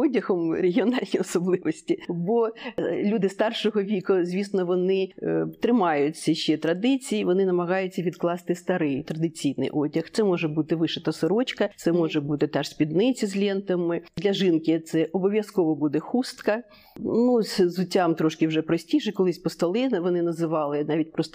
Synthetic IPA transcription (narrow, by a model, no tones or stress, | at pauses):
ɔdʲɐhɔmɾeɦʲiɔnɑlʲnʲiɔsɔblˠɪʋɔsʲtʲibɔlʲud̪ɪst̪ɑrʃɔɦɔʋʲikʊzʲʋʲisnɔʋɔnɪt̪ɾɪmɑjʊt͡sʲːɐʃt͡ʃːɛt̪ɾɐd̪ɪt͡sʲijiʋɔnɪnɐmɐɣɑjʊt͡sʲːɐʋʲid̪klˠɑst̪ɪst̪ɐɾɪjt̪ɾɐd̪ɪt͡sʲijnɪ̰jʔɔdʲɐxt̪sɛmɔʒɛbut̪ɪʋɪʃɛt̪ɐsɪɾɔt͡ʃkɐt̪sɛmɔʒɛbut̪ɪt̪ɑʂsʲpʲid̪nɪt͡sʲizʲlʲint̪ɐmɪd̪lʲɐʒɪnkɪt̪sɛʔɔbɔʋʲjɐskɔʋɔbud̪ɛxust̪kɐ | nusʲzʊtʲːɑmt̪ɾɔʃkɪwʒɛpɾɔsʲtʲiʃɛkɔlˠɪsʲpɔst̪ɐlˠɪʋɔnɪnɐzɪʋɑlˠɪnɑʋʲitʲpɾɔst̪ɔ